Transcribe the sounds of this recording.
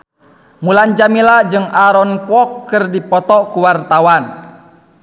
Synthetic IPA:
muland͡ʒamilad͡ʒɨŋaɾɔnkuɔkːɨrdipɔt̪ɔkuwart̪awan

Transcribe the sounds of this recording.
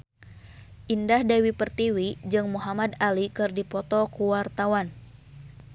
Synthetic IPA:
ʔindahdawipərt̪iwid͡ʒɨŋmuɦamad̪alikɨrdipɔt̪ɔkuwart̪awan

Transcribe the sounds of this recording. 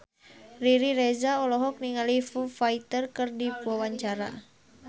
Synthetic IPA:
riɾiɾɛzaɔlɔɦɔk̚niŋalifufait̪ərkərdipuwawaɲt͡ʃaɾa̰

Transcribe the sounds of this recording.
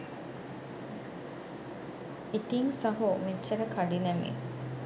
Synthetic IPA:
it̪iŋsɐɦumit͡ʃːɐɾəkaɖinæmḭ

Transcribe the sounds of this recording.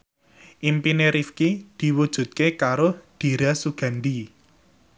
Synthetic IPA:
ʔimpineɾifkid̪̥i̤wud̥ʒ̥ṳt̪̚kekaɾod̪̥i̤ɾasuɡ̥a̤nd̪i

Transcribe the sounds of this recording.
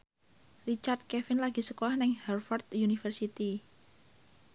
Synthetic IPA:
rit͡ʃard̪̚kɛfɪnlaɡ̥i̤səkolahnɪŋhɛrfɔrt̪junifərsit̪i

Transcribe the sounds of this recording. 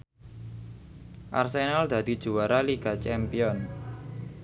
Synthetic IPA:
ʔa̰rsenald̪ä̤d̪̥i̤d̥ʒ̥uwaɾaliɡ̥at͡ʃɛmpiɔn

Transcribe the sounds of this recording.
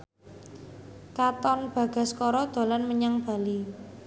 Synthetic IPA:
kat̪ɔnb̥ä̤ɡ̥a̤skɔɾɔd̪̥o̤lanməɲaŋb̥a̤li

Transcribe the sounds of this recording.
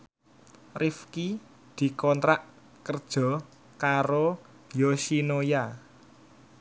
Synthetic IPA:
rifki | d̪̥i̤kɔnt̪ɾaʔ | kərd̥ʒ̥ɔ̤ | kaɾo | josinoja

